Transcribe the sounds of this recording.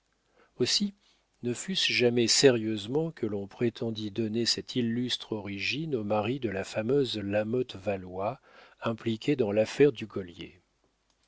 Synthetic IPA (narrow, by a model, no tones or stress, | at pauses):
osi | nəfysʒamɛseʁjøzmɑ̃kʰəlɔ̃pχet̪ʰɑ̃d̪id̪ɔnesɛt̪ʰilːyst̪χɔʁiʒinomaʁid̪əlafamøzlamɔt̪valwaɛ̃plikʲʰed̪ɑ̃lafɛʁd̪yɡɔljḛ